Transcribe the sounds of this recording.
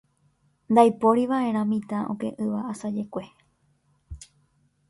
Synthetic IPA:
nd̪ajpoɾiʋaʔe̞ɾ̃ãmĩt̪ãʔõ̰kẽ̞̰ʔɨʋaasad͡ʒe̞kʷe̞

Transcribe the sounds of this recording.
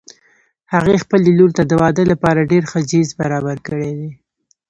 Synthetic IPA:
haɣexpəleluɾt̪ad̪əwɑd̪əlapɑɾaɖeɾxəd͡ʒizbaɾɑbaɾkəɽed̪e

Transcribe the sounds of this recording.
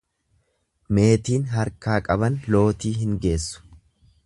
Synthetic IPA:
me̞ːt̪iːnɦɐɾkaːkʼɐbɐnlo̞ːt̪iːɦɪŋɡe̞ːsːʊ̥

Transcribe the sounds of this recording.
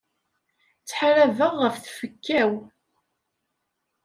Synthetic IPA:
t͡sːħɾævəʁːəfθfəkːæw

